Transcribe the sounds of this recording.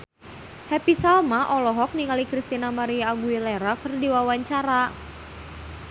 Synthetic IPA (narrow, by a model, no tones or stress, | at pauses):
hɛpisalmaʔɔlɔɦɔk̚niŋalikɾist̪inamaɾiaːɡuilɛɾakərdiwawaɲt͡ʃaɾa